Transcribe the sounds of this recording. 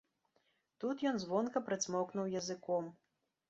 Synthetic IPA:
t̪ut̪jɔnzvɔnkɐpɾɐt̪sʲmɔknuwjɐzɨkɔm

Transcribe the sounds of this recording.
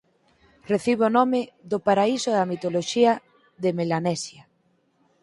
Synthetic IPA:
reθiβonɔmɪðopaɾaisʊðamit̪oloʃiɐ | ðemelanɛsja

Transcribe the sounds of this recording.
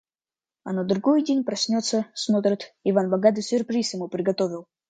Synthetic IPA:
ɐnod̪ɾʊɡojdʲenʲpɾɐsʲnʲot̪sːəsmot̪ɾət̪ɪvanbɐɡad̪ɨsʲʊrpɾʲisjɪmupɾʲɪɡɐt̪ovʲɪlˠ

